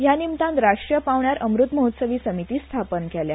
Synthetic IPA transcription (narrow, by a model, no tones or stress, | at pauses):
ɦjanimt̪ãnt̪ɾaʂʈɾjəpaʋɳjaɾʔəmɾut̪məɦut̪səʋiːsəmit̪iːst̪ʰapənkɛlja